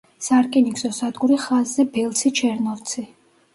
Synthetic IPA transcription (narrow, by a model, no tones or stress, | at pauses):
saɾkʼiniksɔsad̪ɡuɾiχazːɛbɛlˠt̪sʰit͡ʃʰɛɾnɔvt̪sʰi